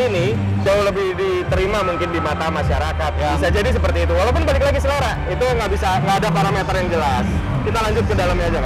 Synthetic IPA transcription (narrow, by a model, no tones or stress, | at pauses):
ini | d͡ʒauhləbɪhdi | t̪əɾimamuŋkɪndimat̪amaʃaɾakat̪̚jabsad͡ʒadis̬əpərt̪iːt̪uwalawp̬ʊnbalɪk̚laɡisəlaɾa | it̪uŋɡaʔbisaŋɡaːdapaɾamet̪ərjaŋd͡ʒəlas | kit̪alaɲd͡ʒʊt̪̚kədalamjad͡ʒaka